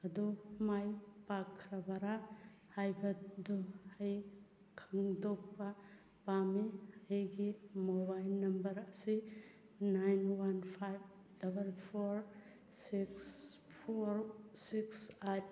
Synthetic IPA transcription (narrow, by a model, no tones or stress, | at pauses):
ɐdumajpakʰːɾabaɾa | hajbɐduhaj | kʰaŋdok̚pa | pamihajɡimobajlnɐmbɐɾɐsi | najnwanpʰajb̚ | d̥ɐbɐlpʰoɾ | siks | pʰoɾsiksat̚